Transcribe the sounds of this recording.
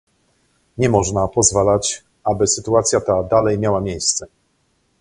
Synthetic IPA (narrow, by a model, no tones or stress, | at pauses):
ɲɛmɔʐnapɔzvalat͡ɕ | ʔabɘsɘt̪uat̪sʲjat̪ad̪alɛjmʲjawamʲjejst̪sɛ